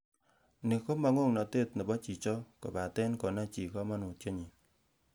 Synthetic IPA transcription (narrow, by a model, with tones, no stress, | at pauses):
ni˨ko˦ma˨ŋo˦˨ŋnɔ˨te˦˨tnə˨bɔ˦t͡ʃi˨t͡ʃɔ˦ko˨ba˨tɛ˦nkɔ˨na˦t͡ʃi˨kɔ˦ma˦nu˨tje˦ɲi˨